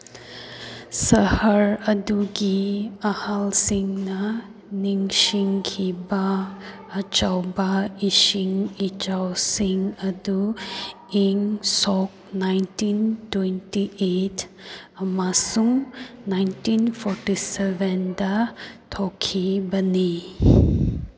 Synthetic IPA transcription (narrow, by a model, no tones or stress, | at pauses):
sɐhɐɾɐduɡiɐhalsiŋnɐ | niŋsiŋkʰibɐː | t͡ʃawbaisiŋit͡ʃawsiŋɐdu | iŋsɔk̚ | najntintwentiʔetɐmasuŋnajntinpʰɔɾtisebendɐtʰɔkʰːibɐni